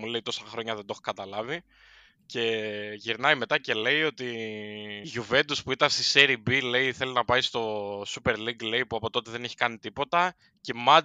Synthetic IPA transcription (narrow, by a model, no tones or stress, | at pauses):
mule̞ijt̪o̞sɐxɾo̞ɲɐðend̪o̞xo̥kɐt̪ɐlɐvi | ce̞ʝiɾnɐjime̞t̪ɐce̞le̞jo̞t̪i | ʝuve̞nd̪uspuit̪ɐnst̪iseɾibile̞iθe̞linɐpɐist̪o̞supe̞ɾliɡle̞ipuɐpo̞t̪o̞t̪eðe̞neçi̥kɐnit̪ipo̞t̪ɐ | cemɐ